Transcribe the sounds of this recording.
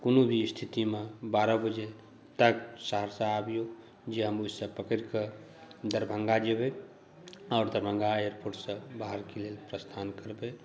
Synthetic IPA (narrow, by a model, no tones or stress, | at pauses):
konobʱist̪ʰit̪imebaɾəbəd͡ʒe | t̪əksəɦəɾsãabijo | d͡ʒeɦəmusə̃pəkəɾke | d̪əɾbʱəŋɡad͡ʒebe | ɔːɾd̪əɾbʱə̃ŋɡaːjəɾpuɾʈsə̃baɦəɾkelelpɾəst̪ʰankəɾbe